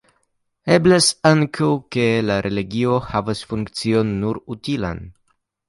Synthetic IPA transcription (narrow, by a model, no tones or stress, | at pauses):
eblasaŋkʰawkelaɾʔeliɡio̞havasfuŋkt͡sio̞nːuɾutila̰n